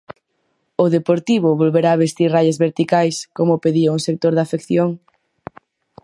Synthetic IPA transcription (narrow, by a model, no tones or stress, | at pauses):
ʊðepoɾt̪iβ̞ʊβolβeɾaːβest̪irajɐzβeɾt̪ikajskomʊpeðiauŋsek̚t̪oɾðafekθjoŋ